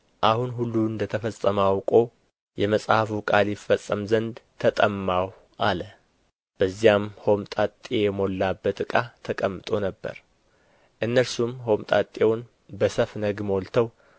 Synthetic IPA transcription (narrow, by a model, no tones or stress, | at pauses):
ʔahunɦulːuɨnd̪ət̪ʰəfəsʼəmawkʼo̞ | jɛməsʼhafukʼaljɪfːəsʼːəmzənd̪t̪ʰət̪ʼəmːaw | ʔalə | b̥əzːijamho̞mt̪ʼat̪ʼːejɛmo̞lːabːət̪ɨkʼat̪ʰəkʼəmːɨt̪ʼo̞nəbːə̰ɾ | ʔɨnːəɾsumho̞mt̪ʼat̪ʼewʊn | bəsəfnəɡmo̞lt̪ʰəw